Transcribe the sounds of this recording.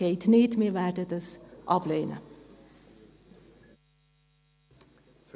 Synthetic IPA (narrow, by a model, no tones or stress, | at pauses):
eɪt̪ʰneːt̪meːʋæʈət̪əsʔɑplœʏnʔə̰